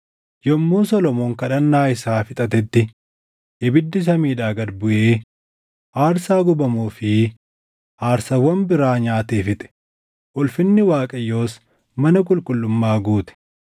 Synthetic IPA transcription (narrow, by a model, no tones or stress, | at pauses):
jɔmːuːnsɔlɔmoːŋkɐᶑɐnːaːɪsaːfɪt̪ʼɐt̪ɛt̪ːɪ | ʔɪbɪd̪ːɪs̬ɐmiːᶑaːɡɐɾbʊʔeː | ʔaːɾsaːɡʊbɐmuːfɪ | ʔaːɾsɐwɐmbɪɾaːɲaːt̪eːfɪt̪ʼɛ̥ | ʔɔlfɪnːɪwaːkʼɐjːoːs | mɐnɐk̬ʼʊlkʼʊlːʊmːaːɡuːt̪ɛ̥